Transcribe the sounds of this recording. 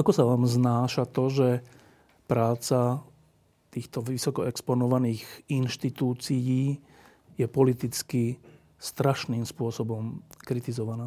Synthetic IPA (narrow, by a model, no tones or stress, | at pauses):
ʔakɔsaʋaːmznaːʃat̪ɔʒɛ | pɾaːt͡sa | t̪iːxt̪ɔʋisɔkɔɛkspɔnɔʋaniːɣinʃt̪it̪uːt͡sijiː | jɛpɔlit̪it͡ski | st̪ɾaʃniːmspʊɔsɔbɔmkɾit̪izɔʋanaː